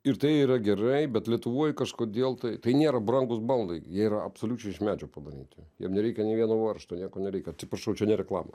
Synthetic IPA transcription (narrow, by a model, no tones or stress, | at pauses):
ɪɾt̪ɐɪiːɾɐɡʲɛrɐɪbʲɛt̪lʲiɛt̪ʊʋoːjkɐʃkoːd̪ʲeːlˠt̪ɐɪt̪ɐɪnʲeːɾɐbɾɐŋɡʊsbɐlˠd̪ɐɪjiɛiɾɐɐpsoːlʲuːt͡ʃʲɛɪɪʃmʲæːd͡ʒʲopɐd̪ɐɾʲḭːt̪ʲɪjḭmnʲɛɾʲɛɪkʲɛnʲɛɪʋʲiɛnoːʋɐrʃt̪oːnʲiɛkoːnʲɛɾʲɛɪkʲɛɐt̪sʲɪpɾɐʃɐʊt͡ʃʲɛnʲɛɾʲɛklˠɑːmɐ